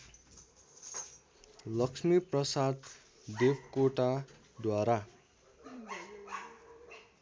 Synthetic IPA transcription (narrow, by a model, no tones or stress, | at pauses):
lʌksmiprʌsad̪ | d̪ebkoʈa | d̪waɾa